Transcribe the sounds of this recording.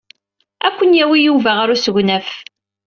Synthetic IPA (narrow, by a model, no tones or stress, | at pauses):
ækʷːənjæwijuvæʁaɾusəʝnæf